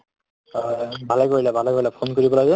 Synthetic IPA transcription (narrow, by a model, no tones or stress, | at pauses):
bʱalɛjkoɹilɛbʱalɛkoɹilɛpʰonkoɹibɔlaɡɛ